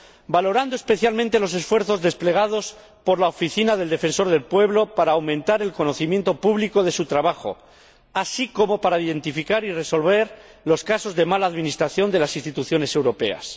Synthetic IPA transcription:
balo̞ɾand̪oespe̞θjalmẽnt̪e̞lo̞s̬e̞sfwe̞ɾθo̞zðe̞sple̞ɣ̞að̞o̞s | po̞ɾlaofiθinaðe̞ld̪e̞fe̞nso̞ɾð̞e̞lpwe̞βlo̞paɾaːwmẽnt̪aɾe̞lko̞noθimje̞nt̪o̞puβliko̞ðe̞sut̪ɾaβaxo̞̰ | asiko̞mo̞paɾaiðe̞nt̪ifikaɾire̞so̞lβe̞ɾ | lo̞skaso̞zðe̞malaːðmĩnist̪ɾaθjo̞nd̪e̞lasinst̪it̪uθjo̞ne̞se̞wɾo̞pe̞̰a̰s

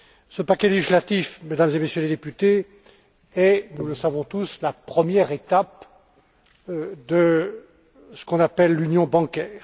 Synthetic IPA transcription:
səpakʲɛleʒislat̪ifmed̪amzemesjøled̪epyt̪e | ɛnuləsavɔ̃t̪uslapχəmjɛʁet̪ap | d̪ə | sə̥kɔ̃napɛlːynjɔ̃bɑ̃kʲɛːʁ

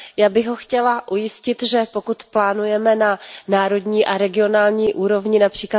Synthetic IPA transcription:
jaːbɪɣɦo̞xcɛlaʔujɪscɪt̪ʒɛpo̞kut̪plaːnujɛmɛnanaːɾo̞dɲiːʔaɾɛɡɪo̞naːlɲiːʔuːɾo̞vɲɪnapr̝̥iːkla

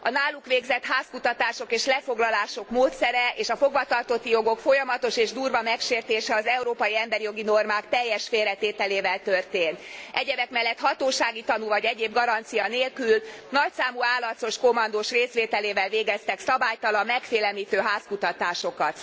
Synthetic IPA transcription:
ɒnaːlːukʋeːɡzɛt̪haːskut̪ɒt̪aːʃo̞keːʃlɛfo̞ɡlɒlaːʃo̞kmoːt̪sɛɾɛʔeːʃɒfo̞ɡvɒt̪ɒrt̪o̞t̪ːijoɡo̞kfo̞jɒmɒt̪o̞ʃeːʒd̪uːrvɒmɛkʃeːrt̪eːʃɛɒzɛuɾoːpɒjiɛmbɛɾijo̞ɡino̞rmaːkt̪ɛjːɛʃfeːrɛt̪eːt̪ɛleːvɛlt̪ørt̪eːnt̪ʔɛɟɛbɛkmɛlːɛt̪hɒt̪oːʃaːɡit̪ɒnuvɒɟɛɟeːbɡɒɾɒnt̪sijɒneːlkylnɒcsaːmuaːlːɒt̪so̞ʃko̞mɒnd̪oʃreːsʋeːt̪ɛleːvɛlveːɡɛst̪ɛksɒbaːjt̪ɒlɒmːɛkfeːlɛlmiːt̪øːɦaːskut̪ɒt̪aːʃo̞kɒt̪

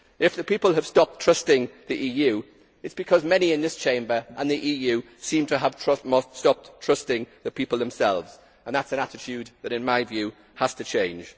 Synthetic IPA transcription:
ɪfðəpiˑpəlˠəv̥stɒp̚tʰɹ̥ʌstɪ̃ŋðiʔiːjʉː | ɪtsb̥ɨkʰɒzmɛniɪ̃nðɪst͡ʃʰẽɪ̃mbəʔə̃nðiʔiːjʉː | sĩmtʰəːv̥tʰɹ̥ʌmostɒp̚ttʰɹ̥ʌstɪ̃ŋðəpʰipl̩ˠðə̃msɛlˠvz̥ | ə̃nðatsə̃natɪtʰjʉd̪̚ðəɾɪ̃nmaɪvjʉː | həz̥tʰət͡ʃʰẽɪ̃nd͡ʒ̥

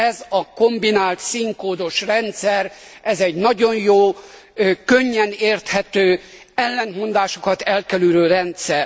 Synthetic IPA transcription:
ɛzɒko̞mbinaːlt̪siŋkoːd̪o̞ʃrɛnt̪sɛrɛzɛɟnɒɟo̞njoː | køɲːɛneːrt̪hɛt̪øː | ɛlːɛnmo̞nd̪aːʃokɒt̪ɛlkɛlyɾøːɾɛnt̪sɛr

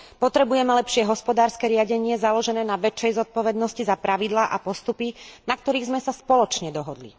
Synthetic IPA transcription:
pɔt̪ɾɛbujɛmɛlɛpʃɪɛɦɔspɔd̪aːɾskɛɾɪaɟɛɲɪɛzalɔʒɛnɛːnaʋɛt͡ʃːɛjzɔt̪̚pɔʋɛd̪nɔscizapɾaʋid̪laːʔapɔst̪upinak̚t̪ɔɾiːɣzmɛsaspɔlɔt͡ʃɲɛd̪ɔɦɔd̪lḭ

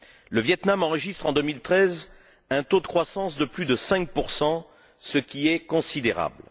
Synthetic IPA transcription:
ləvjɛt̪namɑ̃ʁəʒist̪χɑ̃d̪əmilt̪χɛz | ɛ̃t̪od̪əkχwasɑ̃sd̪əplyd̪əsɛ̃k̚puʁsɑ̃ | səkʲiɛkɔ̃sid̪eʁa̰bl

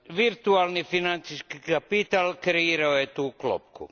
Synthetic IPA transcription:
ʋirt̪uɑlnifinant̪siskkapit̪alkriɾoet̪uklo̰pkːṵ

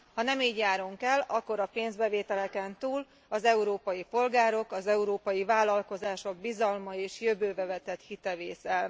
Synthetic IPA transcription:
hɒnɛmiːɟjaːɾoŋkɛlɒkːo̞ɾɒpeːnzbɛveːt̪ɛlɛkɛnt̪uːl | ɒzɛuɾoːpɒjipo̞lɡaːɾo̞kɒzɛuɾoːpɒjivaːlɒlko̞zaːʃo̞ɡ̚bizɒlmɒeːʃjøbøːvɛvɛt̪ɛt̪hit̪ɛveːsɛl

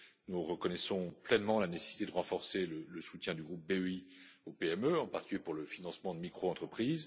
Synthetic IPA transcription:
nuʁəkɔnɛsɔ̃plɛnmɑ̃lanese̥si̥t̪ed̪əʁɑ̃fɔʁselələsut̪ʲjɛ̃d̪yɡʁup̚beøiopeɛmøɑ̃paʁt̪i̥kʲyljepuʁləfinɑ̃smɑ̃d̪əmikχoɑ̃t̪χəpχiːz

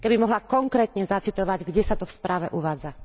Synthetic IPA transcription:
kɛbimɔɦlakɔŋkɾɛːt̪ɲɛzat͡sit̪ɔʋaɟɡɟɛsat̪ɔfspɾaːʋɛʔuʋaːd͡za

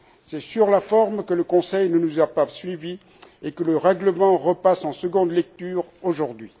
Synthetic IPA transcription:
sɛsyʁlafɔʁmkələkɔ̃sɛjnənuzapasɥivi | ekələʁɛɡləmɑ̃ʁəpasɑ̃səɡɔ̃d̪lɛk̚t̪yːʁoʒuʁd̪ɥi

